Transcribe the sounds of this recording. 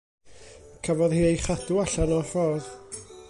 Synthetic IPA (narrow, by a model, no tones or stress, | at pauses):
kʰəvɔðhiːejχadʊaɬanɔɬɔːð